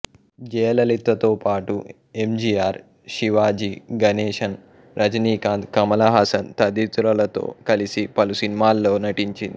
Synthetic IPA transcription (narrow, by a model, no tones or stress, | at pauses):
d͡ʑeɐlɐlit̪ːɐt̪opaːʈu | emd͡ʑiaːɾ | ɕiʋaːd͡ʑiːɡɐneɕɐn | ɾʔɐd͡ʑniːkãːnd̪kɐmɐlaɦasɐnt̪ɐd̪it͡s̪uɾɐlɐt̪o̰kɐlisiːpɐlusiːnmalːonɐʈint͡ɕḭn